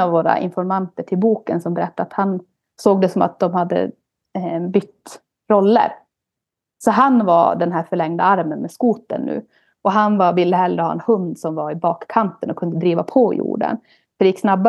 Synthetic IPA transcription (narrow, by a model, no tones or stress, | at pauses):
avːoːɾa̰ʔɪ̰nfɔɾmant̪əʈʰɪlbuːkənsɔmbɛɾɛt̪ːaat̪han | soːɡ̚d̪ɛsɔma̰t̪̚d̪ɔmhad̪ːə̰ | bʏt̪ː | ɾɔlːə̰ɾ | sɔɦanvad̪ɛnɦæːɾfœɭɛŋd̪a̰aɾmənmɛskuːt̪ə̰nːʉ̰ː | ɔɦanvavɪlːəɦɛlːɾəhɑːʔɛnhɵnd̪sɔmvaɾɪbɑːkʰːant̪ənɔkʰɵnd̪əd̪ɾiːvapʰɔjṵːɖə̰n | fœɾɖɛjɪkːsnabːa